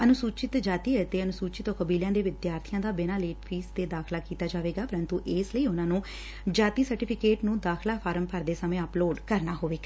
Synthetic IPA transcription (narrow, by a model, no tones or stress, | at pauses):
ənʊsuːt͡ʃɪt̪d͡ʒaːt̪iːət̪eːənʊsuːt͡ʃɪt̪oːkəbiːljãːd̪eːʋɪd̪jaːɾt̪ʰɪjãːd̪aːbɪnaːleːʈpʰiːst̪eːd̪aːkʰlaːkiːt̪aːd͡ʒaːʋeːɡaːpəɾə̃nt̪uːʔeːsləiːʊnãːnũː | d͡ʒaːt̪iːsəɾʈɪːpʰɪkeːʈnũːd̪aːkʰlaːpʰaːɾəmpəɾd̪eːsəmẽːəploːɖkəɾnaːɦoːʋeːɡa